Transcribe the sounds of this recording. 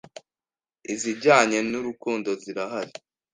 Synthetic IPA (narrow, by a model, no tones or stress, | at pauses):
iziɾɟaːɲe̞nuɾukuːndo̞ziɾaɦaɾi